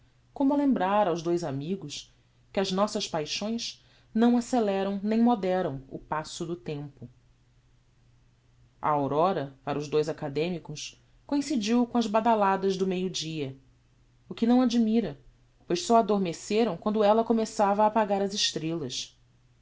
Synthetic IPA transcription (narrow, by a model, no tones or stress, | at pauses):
kõmʊɐlẽmbɾaɾawʒd̪ojzamiɡʊs | kɪɐznɔsɐʃpajʃõj̃s | nɐ̃w̃aselɛɾɐ̃w̃nẽj̃mod̪ɛɾɐ̃w̃ʊ̰pasʊd̪ʊt̪ẽmpʊ | ɐ̰awɾɔɾɐpaɾɐʊzd̪ojzakad̪ẽmikʊs | kõĩsid͡ʒiwkõɐzbad̪alad̪ɐzd̪ʊmejʊd͡ʒiɐ | ʊkɪnɐ̃w̃ad͡ʒimiɾɐ | pojʃsɔad̪oɾmeseɾɐ̃w̃kwɐ̃nd̪ʊɛlɐkomesavɐaːpaɡaɾɐzɪʃt̪ɾelɐs